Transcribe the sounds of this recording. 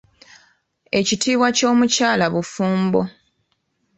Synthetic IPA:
e̞citiːβwaco̞ːmucaːlaβufuːmbo̞

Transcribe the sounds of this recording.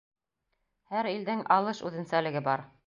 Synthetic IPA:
hæɾild̪ɘŋɑlˠɤʃʉ̰ðɘ̆nsælɘ̆ɡɘbɑɾ

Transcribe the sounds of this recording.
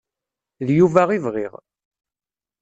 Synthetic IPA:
ðjuvæʁivʁḭʁ

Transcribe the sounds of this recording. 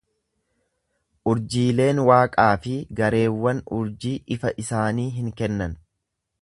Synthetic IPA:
ʔʊɾd͡ʒiːle̞ːnwaːkʼaːfɪɡɐɾe̞ːwːɐnʊɾd͡ʒiːʔɪfɐʔɪsaːniːɦɪŋkɛnːɐn

